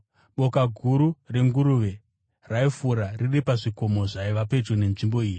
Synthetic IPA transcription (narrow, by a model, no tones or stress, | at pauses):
ɓo̞kaɡʱuɾure̞ŋɡuɾuːʋe̞ | raifuɾariripaʐiko̞mo̞ʐaiʋape̞d͡ʒone̞nʐimbo̞iːji